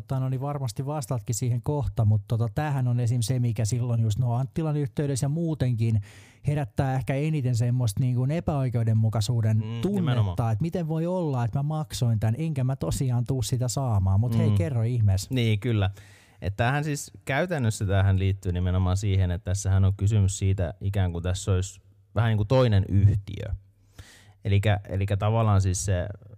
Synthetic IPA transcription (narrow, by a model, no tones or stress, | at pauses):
t̪ːɑnoniʋɑrmɑst̪iʋʋɑst̪ɑt̪kisiːheŋkoht̪ɑmut̪t̪ot̪ɑt̪æːhænonesimsemikæsilːonjust̪noːɑnt̪t̪ːilɑnyht̪eyɾesjɑmuːt̪eŋkin | heɾæt̪ːæːehkæenit̪ensemːost̪niːŋkunepæoikeudemmukɑsuːdent̪unet̪ːɑːet̪mit̪eʋʋoiolːɑet̪mæmɑksoint̪ænʔeŋkæmæt̪osiɑːnt̪uːssit̪æsɑːmɑːmut̪heikerːoihmesniːkylːæ | ʔḛt̪ːæːhænsiːskæyt̪ænːøsːit̪æːhænliːt̪ːyːnimenomɑːnsiːhenet̪t̪æsːæhænoŋkysymyssiːt̪æ̰ʔikæːŋkunt̪æsːois | ʋæhæniːŋkut̪oinenyht̪ḭø̰ | elikæḛlikːæt̪ɑʋɑlːˑɑːnsiːsse